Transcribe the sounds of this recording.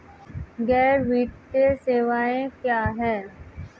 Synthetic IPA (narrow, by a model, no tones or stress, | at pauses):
ɡɛːɾʋiːʈ̚teseːʋaːẽkjaːɦɛː